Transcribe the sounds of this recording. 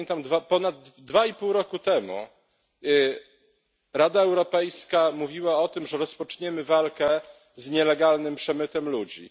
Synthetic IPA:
nt̪amd̪vapɔnad̪ːvaipuwɾɔkut̪ɛmṵ | ɾad̪aɛwɾɔpɛjskamuvʲiwaɔt̪ɘmʐɛɾɔspɔt͡ʂɲɛmɘvalkɛ | zɲɛlɛɡalnɘmpʂɛmɘt̪ɛmlud͡ʑḭ

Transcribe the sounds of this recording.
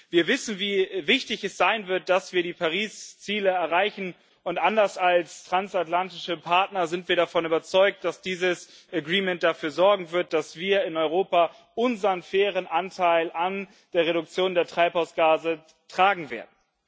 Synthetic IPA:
viːɐvɪsn̩viːvɪçtɪçɛsz̥aɪnvɪɐt̚d̥asv̥iːɐdiːpʰaʁiːst͡siːləɛɐʁaɪçn̩ | ʊntʔandɐsalstʁ̥ansatlantɪʃəpʰaɐtnɐzɪntv̥iːɐɾafɔnyːbɐt͡sɔʏk̚t̚d̥asd̥iːzəsʔɛɡʁiːmɛnt̚d̥afyːɐzɔɐɡŋ̩vɪɐt̚d̥asv̥iːɐɪnɔʏʁoːpa | ʔʊnzɐənfɛːʁ̞ənʔantʰaɪlʔan | d̥eːɐʁeɾʊk̚t͡sjoːndeːɐtʁ̥aɪphaʊsɡ̥aːzə | tʁ̥aːɡŋ̩vḛːɐdn̩

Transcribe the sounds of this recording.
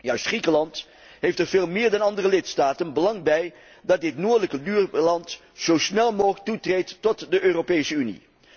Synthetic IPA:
jœɥstχrikəlɑnt | ɦejftɛɹveːlˠmɪːɹdɑnɑndərəlɪtstaːtənbəlɑŋbɛj | dɑt̚dɪtnʊːɹdələkəbyːɹlɑnt | z̥owsnɛlˠmoːχətutrejtːɔtdəʔøːropejsəynḭ

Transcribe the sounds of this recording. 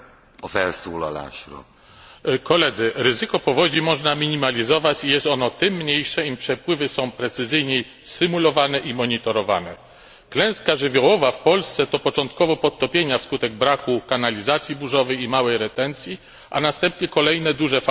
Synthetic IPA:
ɔfɛlsulɔ̰la̰ʃɾɔ̰ | kɔlɛd̪zɘɾɘzɘkɔpɔvɔd͡ʑimɔʐnamʲiɲimalʲizɔvat͡ɕijɛst̪ɔnɔt̪ɘmːɲejʂɛimpʂɛpwɘvɘsɔ̃w̃pɾɛt̪sɘzɘjɲe | sɘmulɔvanɛʔimɔɲit̪ɔɾɔva̰nɛ | klɛ̃w̃skaʐɘvʲjɔwɔvafpɔlst̪sɛt̪ɔpɔt͡ʂɔnt̪kɔvɔpɔt̪t̪ːɔpʲjeɲafskut̪ɛɡ̚bɾakukanalʲizat̪sʲjibuʐɔvɛjimawɛjɾɛt̪ɛnt̪sʲji | ʔa̰nast̪ɛmpɲɛkɔlɛjnɛd̪uʐɛf

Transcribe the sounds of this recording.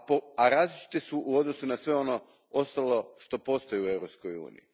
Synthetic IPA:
poaɾaːzlit͡ʃi̥t̪esuʔuo̞d̪no̞sunasʋe̞o̞no̞ | ost̪alo̞ʃt̪o̞po̞ːst̪o̞jeue̞wɾo̞psko̞jṵːnḭji

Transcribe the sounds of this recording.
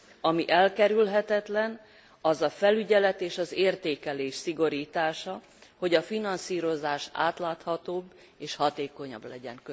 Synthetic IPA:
ɒmiʔɛlkɛɾylɦɛt̪ɛt̪lɛn | ɒzɒfɛlyɟɛlɛt̪eːʃɒzeːrt̪eːkɛleːʃsiɡo̞ɾiːt̪aːʃɒ | ho̞ɟɒfinɒnsiːɾo̞zaːʃa̰ːt̪laːt̪hɒt̪oːbː | eːʃhɒt̪eːko̞ɲɒ̰blɛɟɛ̰ŋkø

